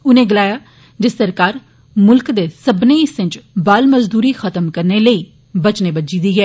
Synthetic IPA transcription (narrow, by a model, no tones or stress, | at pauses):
ʊnẽːɡəlaːjaː | d͡ʒɪst̪əɾkaːɾ | mʊlkd̪eːsəbnẽːɪsɪ̃ɲt͡ʃbaːlməzd̪uːɾiːxʰət̪əmkəɾneːləiː | bət͡ʃneːbəd͡ʒiːd̪iːɡɛː